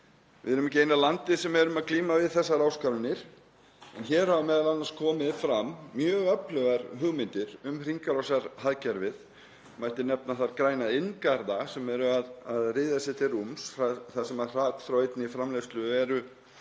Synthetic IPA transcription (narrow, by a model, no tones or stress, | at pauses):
vɪðɛɾʏmɛcːɪejnalant̪ɪsɛmɛɾʏmaðkliːmavɪðθɛsːaɾaːwskaɾvɪnɪɾ̥ | ɛnçɛɾɦavamɛːðalanːaɾ̥skʰɔːmɪðfɾamːjœːɣœplœɣaɾhʏɣmɪnt̪ɪɾʏmr̥iŋkaɾasaɾ̥haðcɛɾvɪð | majht̪ɪnɛp̚naθaɾkɾaːjnaɪnkaɾðasɛmɛɾʏaðaðrɪːðasɪt̪ʰɪrumsfaθasɛmḁr̥aːt̪θɾawejt̪nɪifɾamlefst̪lʏɛɾʏ